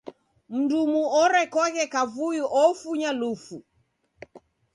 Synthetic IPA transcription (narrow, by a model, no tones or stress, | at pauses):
m̩ndumuɔɾɛkɔɣɛkavuiʔɔfuɲalufu